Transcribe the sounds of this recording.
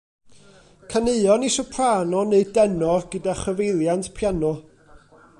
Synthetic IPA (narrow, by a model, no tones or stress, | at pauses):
kʰaneɨɔniʃɔpʰraːnɔneɨdɛnɔrɡ̥ədaχəvejlˠjantʰpʰjanɔ